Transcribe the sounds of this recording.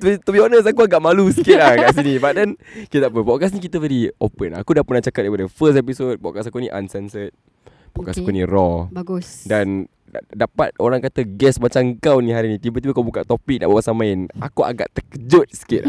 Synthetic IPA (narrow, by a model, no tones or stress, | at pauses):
t̪it̪ubiɔʔnəs̬akuaɡaʔmalusi̥kɪt̪̚lakaʔs̬inĩbadankit̪t̪ap̬əpɔʔkas̬nik̬it̪əvɛɾiopəna̰kudapənaht͡ʃakat̚daipadəfəst̪episot̚bɔ̰ʔkasakuniʔa̰nsɛnsət̪̚ | bɔʔkasakunirɔbɡusdan | dapat̪̚oɾaŋkat̪əɡɛsmat͡ʃaŋkawnĩɦaɾinĩt̪ibəkt̪ibəkabukaʔt̪opik̚naʔbawaʔsamãɪna̰kua̰ɡa̰ʔt̪əkəd͡ʒʊt̪̚sə̥kɪt̪̚